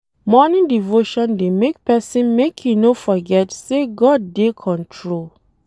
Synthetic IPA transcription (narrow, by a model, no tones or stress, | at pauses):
mɔnĩndivoʃɔ̃ndemek̚pɛsĩnmekʰjunofɔɡɛtseɡɔd̚ːekʰɔ̃ntʰɹol